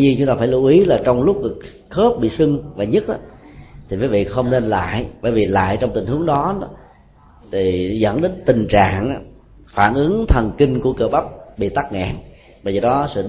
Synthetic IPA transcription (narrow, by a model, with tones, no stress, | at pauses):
ɲi˧ənt͡ɕʊ˦ŋ͡mt̪aː˧faː˧˩jlu˧˩ʔi˨˦laː˨˩t͡ɕɔ˧wŋ͡mlʊ˦˥k͡p̚ɗk | xo˦˥p̚ɓḭ˧˨sɨ˧ŋvaː˨˩ɲə˦˥t̚ʔaː˨˦t̪ʰi˨˩məː˨˦jvḭ˧˨xə˧wŋ͡mne˧nla̰ː˧˨jɓəː˧˩jvi˨˩la̰ː˧˨jt͡ɕɔ˧wŋ͡mt̪ï̟˨˩hɨ˨˦əŋɗɔ˨˦˨ | t̪ʰi˨˩zə̰˧˥nɗe˨˦nt̪ï˨˩ŋ̟t͡ɕa̰ː˧˨ŋʔa˨˧˦ | faː˧˩nʔɨ˨˦əŋt̪ʰə˨˩nki˧ŋku˧˩əkəː˧˩ɓa˦˥p̚ɓḭ˧˨t̪aː˦˥k̚ŋɛ̰˧˨n | ɓəː˧jzəː˨˩ɗɔ˨˦sɨ̰˧˨